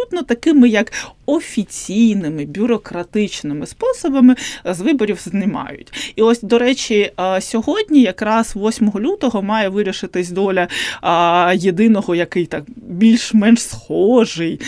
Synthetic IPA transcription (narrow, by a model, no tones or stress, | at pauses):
ut̪nɔt̪ɐkɪmɪjɐkɔfʲit͡sʲijnɪmɪbʲʊɾɔkɾɐt̪ɪt͡ʃnɪmɪspɔsɔbɐmɪzʋɪbɔɾʲiwznɪmɑ̰jʊ̰tʲiɔsʲd̪ɔɾɛt͡ʃisʲɔɦɔdʲnʲijɐkɾɑsʋɔsʲmɔɦɔlʲut̪ɔɦɔmɑjɛʋɪɾʲiʃɪt̪ɪsʲd̪ɔlʲɐ | jed̪ɪnɔɦɔjɐkɪjt̪ɑkbʲilʲʃmɛnʃsxɔʒɪj